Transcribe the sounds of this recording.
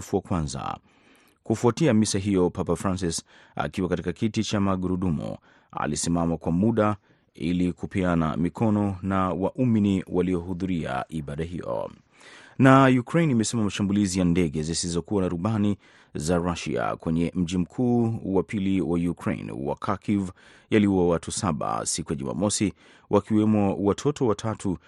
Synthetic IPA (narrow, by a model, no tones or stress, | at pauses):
fuwakwãnza̰ | kufuatiamisaɦijɔpapafɾans̬is | a̰kiwakatikakitit͡ʃamaɡuɾuɗumṵ | a̰lisimamakwamuɗa | ḭlikupiana̰mikʰɔnɔnawaʔuminiwʔaliɔɦuðuɾia̰ʔiɓaɗaɦijɔ̰ | najukɾejnimɛsɛmamaʃambulizijandɛɠɛzisizɔkuwanaɾuɓani | zaɾaʃḭa̰kwɛɲɛm̩ʄim̩kʰuːwapiliwajukʰɾḛḭnwa̰kʰakʰiv | jaliawatʰusaɓa̰sikujaʄuma̰mɔsi | wʔakiwɛmɔwatʰɔtɔwatʰatʰu